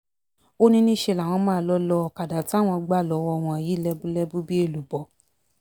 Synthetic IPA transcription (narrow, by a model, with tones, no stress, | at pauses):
o˦nĩ˦nĩ˦ʃe˧˨la˨w̃ɔ̃˧mãː˦˧lɔ˦lɔ˧˨ka˨da˨ti˦a˦˨w̃ɔ̃˧ɡ͡ba˦˨lɔ˨˧˦wɔ˧˦˧w̃ɔ̃˧a˨ji˨˦lɛ˦bu˦lɛ˦bu˦bi˦e˦˨lu˨bɔ˨